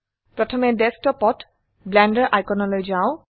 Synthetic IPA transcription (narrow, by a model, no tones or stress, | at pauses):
pɹɔtʰɔmɛdɛstɔpɔt | blɛndəɹʔajkɔnɔlojzaʊ̃